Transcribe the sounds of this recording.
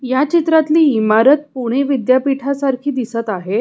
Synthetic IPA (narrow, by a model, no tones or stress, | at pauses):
jat͡ɕit̪ɾat̪liːmaɾət̪̚puɽ̃eʋid̪japiʈʰasaɾkʰiːd̪isət̪aɦe